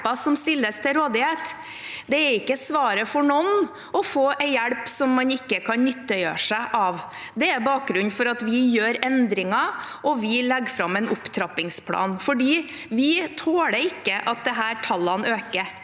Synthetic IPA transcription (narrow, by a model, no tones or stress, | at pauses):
ɑsɔmst̪ɪlːəst̪ʰɪlɾoːd̪ɪheːt̪ | d̪ɛæɾɪkːəsʋɑːɾəfɔɳɔn | ɔfoːʔæɪjæɽpsɔmːɑnɪkːəkʰɑnnʏt̪ːəjø̰ːʂæɪʔɑʋ | d̪ɛæɾbɑːk̚ɡɾʉnːfɔɾɑt̪ʋɪjøːɾɛnd̪ɾɪŋɑʔɔʋɪlɛɡfɾɑmːɛnʔʊpt̪ʰɾɑpːɪŋspʰlɑ̰ːnfɔɖiː | ʋɪt̪ʰoːɽɛɪkːəʔɑt̪̚d̪ɛɦæːɾʈʰɑlːɑnøːkəɾ